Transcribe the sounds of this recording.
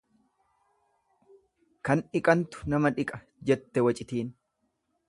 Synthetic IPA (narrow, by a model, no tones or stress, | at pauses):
kɐnɪkʼɐnt̪ʊ̥nɐmɐᶑɪkʼɐ | d͡ʒɛt̪ːɛwɐt͡ʃʼɪt̪iːn